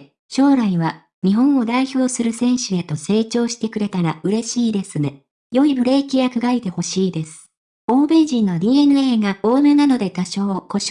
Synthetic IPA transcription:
ɕo̞ːɾaiβa | ɲ̟iɦõ̞ɰ̃o̞d̪aiço̞ːsɨɾɯ̟sẽ̞ɰ̃ɕɨe̞t̪o̞se̞ːt͡ɕo̞ːɕi̥t̪e̞kɯ̟ɾe̞t̪aɾaʔɯ̟ɾe̞ɕiːd̪e̞sɨne̞ | jo̞ibɯ̟ɾe̞ːkʲijakɯ̟ɡait̪e̞ho̞ɕiːd̪e̞sɨ̥ | o̞ːbe̞ʑĩnːo̞ɾʲiːenɯ̟e̞ːɡao̞ːmenano̞d̪e̞k̪aɕo̞ːko̞ɕ

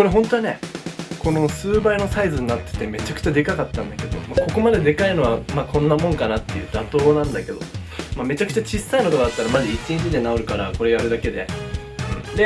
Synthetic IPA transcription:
ko̞ɾe̞ɦõ̞nt̪o̞ane̞ko̞no̞sɨːbaino̞saizɨɲ̟inat̪ːe̥t̪e̞me̞t͡ɕakɯ̟̥t͡ɕad̪e̞kakat̪ːãnd̪ake̞d̪o̞̰mako̞ko̞mad̪e̞d̪e̞kaino̞βamakʰõ̞nːamõ̞ŋkanat̪ːe̞̰jɯ̟ːd̪at̪o̞ːnãnd̪ake̞d̪o̞mame̞t͡ɕakɯ̟̥t͡ɕat͡ɕisːainot̪okad̪at̪ːaɾamazɨit͡ɕiɲ̟it͡ɕid̪e̞naoɾɯ̟kaɾako̞ɾe̞jaɾɯ̟d̪ake̞d̪e̞̰ | ɯ̟̃ɴd̪e

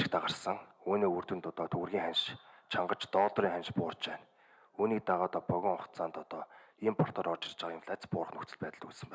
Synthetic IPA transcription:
kt̪aʁə̆rsə̆ŋuːnoːur̥t̪wɘ̆nt̪ʊt̪ɔːt̪ʰɵɣ̆rɣʲiːŋχanʃt͡ɕʰaɴɢə̆t͡ɕt̪ɔːɮt̪riːŋχanʃpʊːrt͡ɕpæːn | uːniːk̚t̪aʁɔːt̪ɔpœɣʲɪ̆ːŋʊχt̪t͡sʰaːnt̪ɔt̪ɔːiːmpʰɔr̥t̪ɔːɾɔt͡ɕɪ̆rt͡ɕə̆ʁimfʰɮat͡spʊːɾə̆χnɵxkt͡sɘ̆ɮpæːt̪ə̆ɮuɮsɘ̆mpæː

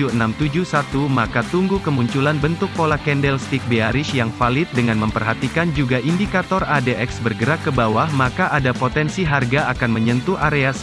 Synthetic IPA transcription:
uənamt̪ud͡ʒusat̪umakat̪uŋɡukəmuɲt͡ʃulanbənt̪ʊk̚polakɛndɛlst̪ik̚beaɾɪʃjaŋfalɪt̪̚dəŋanməmpərɦat̪ikand͡ʒuɡaʔindikat̪ɔradeʔɛksbərɡəɾakːəbawahmakaʔadapot̪ɛnsiɦarɡaakanməɲənt̪uaɾeas

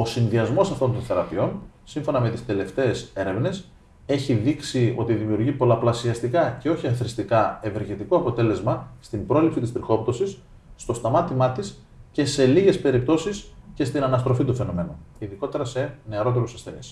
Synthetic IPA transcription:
o̞sinðiɐzmo̞sɐft̪o̞nt̪o̞nθe̞ɾɐpio̞n | siɱfo̞nɐme̞t̪i̥st̪e̞le̞ft̪e̞ːse̞ɾe̞vne̞s | e̞çiðiksio̞̰t̪iðimiuɾʝipo̞lɐplɐsiɐst̪ikɐce̞o̞çiɐθɾist̪ikɐe̞ve̞ɾʝet̪iko̞ɐpo̞t̪e̞le̞zmɐst̪imbɾo̞lipsit̪ist̪ɾixo̞pt̪o̞sisː | t̪o̞st̪ɐmɐt̪imɐt̪is | ce̞se̞liʝe̞spe̞ɾip̚t̪o̞sisce̞st̪inɐnɐst̪ɾo̞fit̪ufe̞no̞me̞nuiðiko̞t̪e̞ɾɐse̞ne̞ɐɾo̞t̪eɾusɐsθe̞nḭs

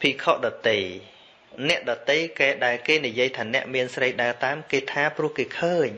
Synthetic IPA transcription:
pʰiːkʰoʔɗɑt̪əj | nɛ̆əʔɗɑːt̪əjkaɛɗaɛlkeːnijiəjt̪ʰaːnɛ̆əʔmiənsrəjɗaət̪aːmkeːt̪ʰaːprʊ̆əhkeːkʰəːɲ

